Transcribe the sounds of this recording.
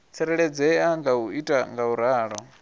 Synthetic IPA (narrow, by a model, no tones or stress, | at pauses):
t͡sʰɛɾɛɺɛd͡zɛaŋɡauitʼaŋɡauɾaːɺɔ